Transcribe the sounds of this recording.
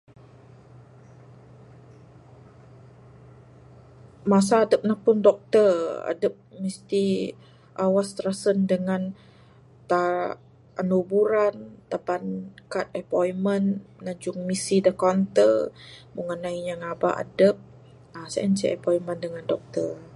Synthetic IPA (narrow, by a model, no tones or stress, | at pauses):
mas̬aːdəp̚nahpʊndɔk̚t̪əra̰dəp̚mist̪i | ʔawast̪ɾasəndəŋan | t̪a | ʔanubuɾant̪apankat̪̚əpɔjmənnad͡ʒʊŋmisidəkɔnt̪əbuŋənaiɲaŋabaʔa̰dəp̚ | asa̰ʔɛnt͡ʃɛ̰ʔɛ̰pɔiməndəŋandɔk̚t̪ər